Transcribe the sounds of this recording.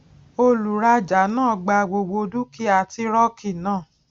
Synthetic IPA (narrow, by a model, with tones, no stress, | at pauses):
o˧lu˨ɾa˧d͡ʒa˨˦nãː˦˨ɡ͡ba˧˨ɡ͡bo˨ɡ͡bo˧du˦ki˦a˨ti˧ɾɔ˦ki˦˨nãː˦˨